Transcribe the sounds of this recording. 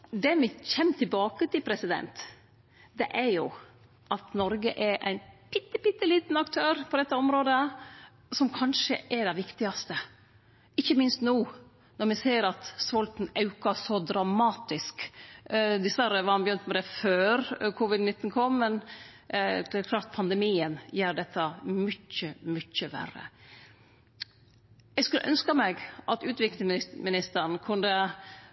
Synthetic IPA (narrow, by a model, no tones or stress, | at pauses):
d̪ɛmɪçɛnːt̪ʰɪlbɑːkət̪ɪlpʰɾɛsɪd̪ɛ̰nt̪ | d̪ɛʔæɾjʊ | ʔɑt̪nɔɾɡəʔɛɾʔæ̰ɪnpʰɪt̪ːəpɪt̪ːəliːt̪n̩ɑkt̪ʰøːɾpʰɔd̪ɛt̪ːəɔmɾoːd̪ə | sɔmkʰɑnʂəʔɛɾdɛɪʋɪkt̪ɪɑst̪ə | ɪçːəmɪnst̪nuː | nɔɾmɪseːəɾɑt̪sʋɔlt̪n̩ɑʉkɑsɔd̪ɾɑmɑːt̪ɪsk | d̪ɪsʋæɾːəʋɑɾhɑnbəjʏnt̪mɛd̪ɛføːɾkʰʊʋɪd̪nɪt̪ːn̩kʰɔmːɛn | d̪ɛɾklɑːɾt̪̚pʰɑnd̪ɛmiːənjæːɾɖɛt̪ʰːɑmʏt͡ʃːəmʏc͡çəʋæ̰rə̰ | jɛɡskʉlːə̰ʔœnskɑmɛɡʔɑt̪ʉːt̪ʋɪklɪŋmɪnɪst̪əɾn̩kʰʉnd̪ə